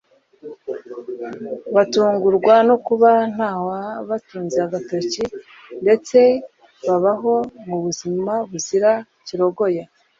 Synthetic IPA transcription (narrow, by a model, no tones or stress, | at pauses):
βatuːŋɡuɾɡwanokuβan̥haːhoaβatuːnzeaɡatoci | nde̞t͡se̞ | βaβaɦo̞muβuzimaβuziɾa | ciɾo̞ɡo̞ja